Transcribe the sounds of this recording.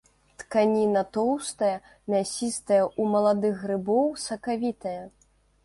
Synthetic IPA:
t̪kanʲinɐt̪ɔwst̪ɐjɐ | mʲasʲist̪ɐjɐumɐlˠad̪ɨɣːrɨbɔwsɐkavʲit̪ɐjɐ

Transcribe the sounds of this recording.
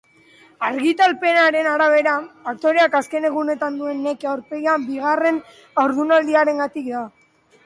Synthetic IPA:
aɾɣit̪alpe̞naɾe̞naɾaβ̞e̞ɾafak̚t̪o̞ɾeakaske̞ne̞ɣ̞une̞t̪and̪ue̞nːe̞keawɾpe̞jambiɣ̞are̞n | awɾðunald̪iaɾe̞ŋɡat̪ikd̪a

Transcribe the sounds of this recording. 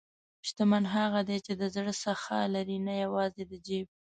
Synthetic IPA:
ʃt̪amanɦaɣad̪et͡ʃed̪əzɽəsaxa̰laɾinajawɑzed̪əd͡ʒeb̚

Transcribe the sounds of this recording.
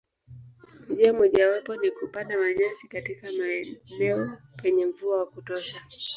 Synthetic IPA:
m̩d͡ʒiamɔʄawapɔnikupanamaʄasikatikamaɛnɛɔ | pɛɲɛmvuawakutɔʃa

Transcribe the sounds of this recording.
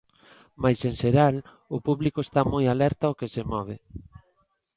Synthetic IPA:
majsenseɾal | ʊpuβlikoest̪amojalɛɾt̪aokesemɔβ̞e

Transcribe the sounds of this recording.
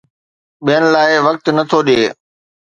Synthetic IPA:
ɓijənɪ̆laːɪʋɐk̚t̪nɐt̪ʰoɗeː

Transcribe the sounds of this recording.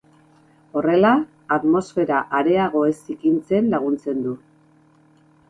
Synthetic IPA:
o̞re̞laː | ðmo̞sfe̞ɾaʔaɾe̞aɣ̞o̞e̞sikint͡se̞nlaɣ̞unt͡se̞nd̪u

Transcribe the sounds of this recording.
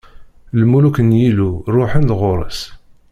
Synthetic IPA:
lmulukənjilurˤːʊħənðʁʊɾˤə̰s

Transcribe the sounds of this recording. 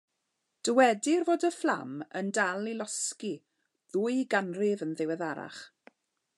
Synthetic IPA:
d̥əwɛdɪrvoːdəflˠa̰məndalˠilɔski | ðʊːjɡanrɪvənðɪwɛðaɾa̰χ

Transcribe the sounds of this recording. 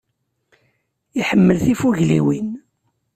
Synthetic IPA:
iħəmːəlθifuɣlḭwin

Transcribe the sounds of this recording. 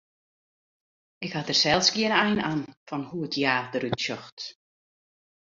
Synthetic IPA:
ɪkhatərsɛlˠsɡiənɛjnanfɔnhuətʰjaːdəɾytʃɔxt

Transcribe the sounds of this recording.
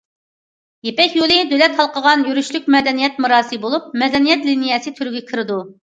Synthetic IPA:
jepɛkʲjolˠɪd̪ølɛt̪hɑlˠqʰəʁɑnjyɾyʃlyk̚ʲmɛd̪ɛnijɛt̪̚muɾɑːsɨbolˠup̚mɛd̪ɛnijɛt̪linijɛsɪt̪ʰyɾyɡʲɛkʲʰɪɾɨd̪u

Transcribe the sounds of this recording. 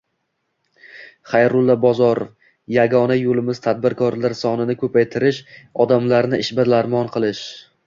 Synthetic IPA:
χajɾʊlˠːabɒzɒɾo̰f | jaɡɒnajolɪmɪz̥t̪ʰad̪̚bɪɾkʰɒɾlaɾsɒnɪnɪkʰɵpʰajt̪ʰɪɾɪʃɒd̪amlaɾnɪʔɪʃbɪɾlaɾmɒnqʰɨlˠɪʃ

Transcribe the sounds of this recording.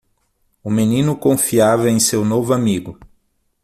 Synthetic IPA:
ʊmenĩnʊkõfiavɐẽj̃sewnovʊamiɡʊ

